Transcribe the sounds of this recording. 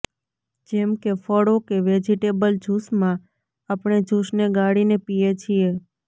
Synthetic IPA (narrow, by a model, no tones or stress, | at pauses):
d͡ʒemkefəɽokeʋed͡ʒiʈebəld͡ʒʱusmã | apɳ̃ed͡ʒʱusneɡaɽinepijet͡ʃʰie